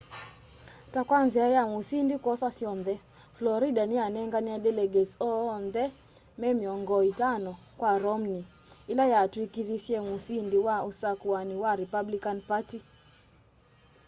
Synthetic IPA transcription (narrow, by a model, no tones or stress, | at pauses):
takwanziajamusindikwɔsasjɔndɛ | flɔɾidanianɛŋɡaniadɛlɛɡetsɔnðɛ | mɛmiɔŋɡɔitanɔ | kwaɾɔmni | ilajatwikiðisjɛmusindiwausakwaniwaɾipablikanpati